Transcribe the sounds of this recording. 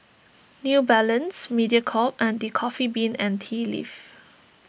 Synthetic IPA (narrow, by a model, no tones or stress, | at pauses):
njubɛlə̃nsmidiəkʰɔp̚ɛ̃ndikʰɔfibĩnɛ̃ntʰilḭf